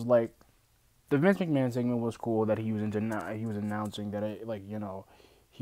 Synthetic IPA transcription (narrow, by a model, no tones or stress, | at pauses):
zlaɪk̚ | ðɨvɪ̃nzmɨ̃k̚mæ̃ns̬ɪ̃ɡ̚mə̃nwʌz̥kʰulˠðɨt̚hiwʌzɨ̃ntʉnhiwʌzɨnãʊ̃nsɪ̃ŋðɨɾɪlaɪkjɨnoʊ | h